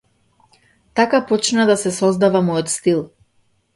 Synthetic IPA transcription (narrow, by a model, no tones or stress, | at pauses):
t̪akapɔt͡ʃnad̪asɛsɔzd̪avamɔjɔt̪st̪ilˠ